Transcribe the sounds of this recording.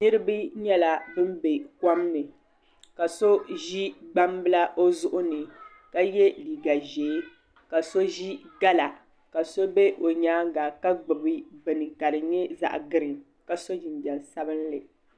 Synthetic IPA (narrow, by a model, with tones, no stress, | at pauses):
nɨ˦ɾɨ˦bɨ˦ɲɛ˦la˨bɨ˦mbe˨ka˦mnɨ˨ | ka˨so˦ʒi˦ɡ͡ba˦mbɨ˦la˦ʔo˦zʊ˦ʔʊ˦nɨ˨ | ka˦jɛ˦liː˨ɡa˨ʒɛː˨˦ | ka˨so˦ʒi˦ɡa˦la˨ | ka˨so˦bɛ˦ʔo˨ɲaː˦ɡa˨ka˦ɡ͡bɨ˨bɨ˦bɨ˨nɨ˨ka˨ɾɨ˨ɲɛ˦za̰˨ʔɡɨ˦ɾɨ˨ | ka˨so˦ʒɪ˨n˨d͡ʒɛ˨n˨sa˦bɨ˦n˦lɨ˨